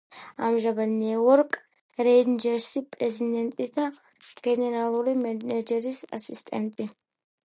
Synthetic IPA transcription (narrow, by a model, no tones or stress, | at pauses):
ɐmʒɐbɐnːiɛwɔɾkʼ | ɾɛjd̪d͡ʒɛɾsɪpʼɾɛzɪd̪ɛnt̪ʼɪt̪ɐ | ɡ̥ɛnɛɾalɔɾɪmɛnɛd͡ʒɛɾɪsɐ̰sɪst̪ʼɛ̰nt̪ʼɪ